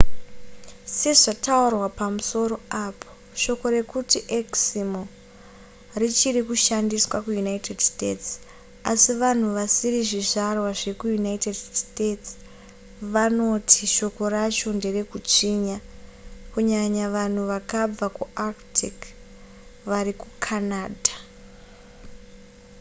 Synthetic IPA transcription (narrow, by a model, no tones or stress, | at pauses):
se̞ʐataurwapamuso̞ɾo̞apʰo̥ | ʃo̞ko̞ɾe̞kutiʔeksimo | rit͡ʃirikuʃandiswakujunaite̞dstets | asiʋan̤uʋasiriʐiʐarwaʐe̞kujunaitedstets | ʋano̞tʰiʃo̞ko̞rat͡ʃo̞nde̞re̞kut͡ʂiɲakuɲaɲaʋan̤uʋakab͡vakuaktʰik | ʋaɾikukʰanaːdʱa